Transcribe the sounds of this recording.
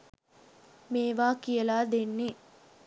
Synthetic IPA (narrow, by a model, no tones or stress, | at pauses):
meːʋaːkijəlaːd̪enːi